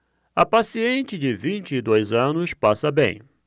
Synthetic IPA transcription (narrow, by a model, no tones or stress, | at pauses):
ɐpasiẽnt͡ʃɪd͡ʒɪvĩnt͡ʃɪɪd̪ojzɐ̃nʊspasɐbḛ̃j̃